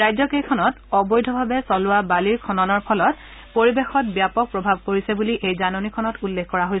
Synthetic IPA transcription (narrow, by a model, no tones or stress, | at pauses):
ajzɔkejkʰɔnɔt | ɔbɔjdʱɔbʱabɛsɔlʊwabaliɹkʰɔnɔnɔɹpʰɔlɔt | poɹibexɔt̚bjapɔk̚pɹɔbʱab̚koɹisɛbuliʔejzanɔnikʰɔnɔtulːekʰkːɔɹaɦojs